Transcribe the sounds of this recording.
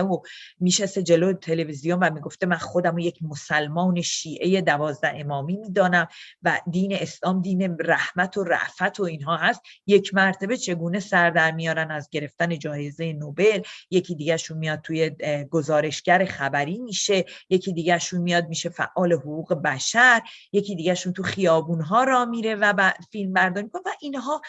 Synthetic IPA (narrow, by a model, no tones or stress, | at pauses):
omiːʃesed͡ʒe̞loet̪ʰe̞le̞vizijo̞nvæmiɡo̞ft̪e̞mænχod̪æmoje̞cʰmosælmɒːne̞ʃiːʔe̞je̞d̪ævɒːzd̪æhe̞mɒːmiːmiːd̪ɒːnæmvæd̪iːne̞eslɒːmd̪iːne̞ræhmæt̪ʰoɾæ̰ʔfæt̪ʰo̞iːnɦɒːɦæst̪je̞cʰmæɾt̪ʰebe̞t͡ʃʰe̞ɡuːne̞sæɾd̪æɾmijɒːɾænæzɟe̞ɾe̞ft̪æne̞d͡ʒɒːje̞zeje̞nobe̞lje̞cʰiːd̪iːɟæʃunmijɒd̪̚t̪ʰuːje̞ɡozɒːɾe̞ʃɟæɾe̞xæbæɾiːmiːʃe̞je̞cʰiːd̪iːɟæʃuːnmijɒːd̪̚miːʃe̞fæ̰ʔʔɒːle̞hoɣuːɣe̞bæʃæɾje̞cʰiːd̪iːɟæʃunt̪ʰuxijɒːbuːnɦɒːɾɒːmiɾe̞væbæfilmbæɾd̪ɒːɾmikonevæʔiːnɦɒː